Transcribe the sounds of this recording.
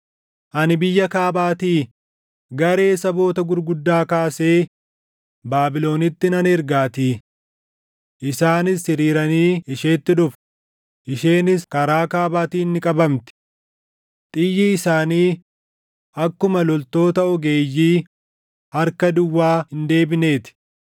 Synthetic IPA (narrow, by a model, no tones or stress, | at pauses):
ʔɐnɪbɪjːɐkaːbaːt̪iː | ɡɐɾe̞ːsɐbo̞ːt̪ɐɡʊɾɡʊd̪ːaːkaːse̞ː | baːbɪlo̞ːnɪt̪ːɪnɐnɛɾɡaːt̪iː | ʔɪsaːnɪsːɪɾiːɾɐniːɪʃeːt̪ːɪᶑʊf | ʔɪʃe̞ːnɪskɐɾaːkaːbaːt̪iːnːɪkʼɐbɐmt̪ɪ̥ | t̪ʼɪjːɪɪsaːniː | ɐkːʊmɐlɔlt̪o̞ːt̪ɐɔɡe̞ːjːiː | hɐɾkɐd̪ʊwːaːhɪnd̪e̞ːbɪne̞ːt̪ɪ̥